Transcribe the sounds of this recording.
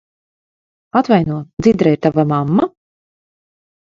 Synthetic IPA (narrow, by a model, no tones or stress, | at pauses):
at̪vajnuɔd̪zid̪ɾɛjɾt̪avamamːa